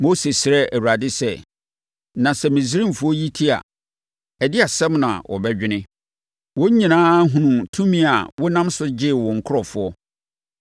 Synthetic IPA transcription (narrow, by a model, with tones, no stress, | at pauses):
mo˦se˨sɪ˨ɾɛ˦æ˨wu˨ɾa˨dɪ˦sɛ˦˨ | nã˨sɛ˦mĩ˨s̬i˨˦ɾĩ˦mfʊ˦ɔ˦ji˦tʰi˦a̰˨ | ɛ˨dɪ˦a˨sɛ˦mnã̰˨wʔɔ̰˨bɛ˦d͡ʑᶣɪ˦nɪ̃˦ | wɔ˦ɲĩ˨nãː˦ɦũ˨nũ˨tʰũ˦mĩ˦a˨wɔ˦nã˦msʊ˦d͡ʑɪ˦˨wɔ̃˨ŋ̩˨kʰʊ˦ɾɔ˨fʊ˨ɔ˦